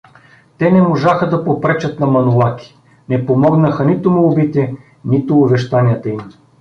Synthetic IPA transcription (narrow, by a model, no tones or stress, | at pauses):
t̪ɛnɛmoʒaxəd̪ɐpopɾɛt͡ʃɐt̪nɐmɐnʊlˠakʲi̥ | nɛpomɔɡnəxənit̪ʊmʊːbit̪ɛ | nit̪ʊːbɛʃt̪aniət̪ɐim